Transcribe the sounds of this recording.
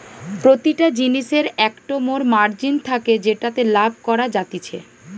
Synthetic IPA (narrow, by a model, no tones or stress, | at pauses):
pɾot̪iʈad͡ʑiniʃeɾɛkʈomoɾmaɾd͡ʑint̪ʰaked͡ʑeʈat̪elabʱkɔɾad͡ʑat̪it͡ɕʰḛ